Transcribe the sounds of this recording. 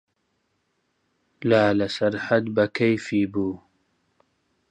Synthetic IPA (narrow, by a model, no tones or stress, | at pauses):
laːlɐsɐɾħɐd̪bɐkʰɐjfiːbuː